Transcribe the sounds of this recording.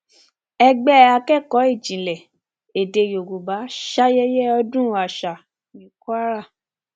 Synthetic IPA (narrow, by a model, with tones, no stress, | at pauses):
ɛ˦ɡ͡bɛ˦a˧kɛ˦˨kɔ˨˦i˦˨d͡ʒĩ˨lɛ˨ | e˨de˧˨jo˨ɡo˨ba˨˦ʃa˦jɛ˦jɛ˦ɔ˧dũ˦a˨ʃa˨ | nĩ˨˦ku˦a˦ɾa˦˨